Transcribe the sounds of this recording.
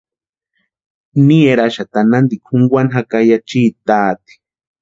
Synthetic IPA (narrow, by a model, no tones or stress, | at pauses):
nieɾaʃat̪anand̪ikʷʰuŋɡʷwʷanɦakajat͡ʃiːt̪aːt̪i̥